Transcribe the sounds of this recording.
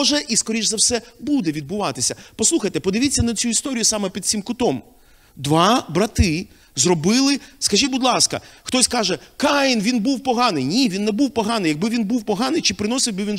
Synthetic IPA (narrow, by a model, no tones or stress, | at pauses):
ʒɛʔiskɔɾʲiʒzɐwsɛbud̪ɛʋʲid̪̚bʊʋɑt̪ɪsʲɐpɔsˠuxɐjt̪ɛpɔd̪ɪʋʲitʲt͡sʲːɐnɐt͡sʲuist̪ɔɾʲijʊsɑmɛpʲid̪̚sʲimkʊt̪ɔm | d̪ʋɑbɾɐt̪ɪ | zrɔbɪlˠɪskɐʒʲibʊd̪lˠɑskɐ̰xt̪ɔsʲkɑʒɛkɑjɪnʋʲinbuwpɔɦɑnɪjnʲiʋʲinːɛbuwpɔɦɑnɪjɐɡ̚bɪʋʲinbuwpɔɦɑnɪjt͡ʃɪpɾɪnɔsɪwʲbɪʋʲin